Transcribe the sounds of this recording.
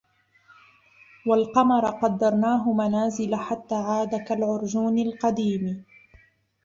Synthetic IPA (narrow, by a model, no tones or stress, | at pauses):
walqɑmɑɾˤɑqɑd̪ːɑɾˤnaːɦʊmanaːzɪlaħat̪ːaːʕaːd̪akalʕʊɾd͡ʒuːnalqɑd̪iːm